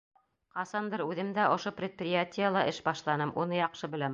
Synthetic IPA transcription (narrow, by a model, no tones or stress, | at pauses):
qɑsɑnd̪ɤɾʉðɘmd̪æʔŏʃoprʲɪt̪̚prʲɪjatʲɪjəlˠɑʔɘʃbɑʃlˠɑnɤmʔunɤjɑqʃɤbɘ̆læm